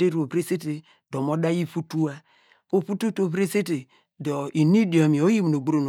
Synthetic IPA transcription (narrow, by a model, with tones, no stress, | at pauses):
e˦ɾo˨bɾe˦se˦te˨ | do˨mo˦da˦ji˦˨fu˦tu˦a˦ | o˨fu˦tu˦to˨bɾe˦se˦te˨ | dɔ˨i˨ni˦di˨o˨mi˨o˦ji˦mi˨n˨o˨ɡ͡bo˦ɾo˨n˨